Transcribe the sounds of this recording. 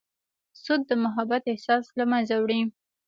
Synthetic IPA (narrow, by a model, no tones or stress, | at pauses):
sʊd̪̚ːəmʊɦabat̪ɪhsɑslamanzawɽi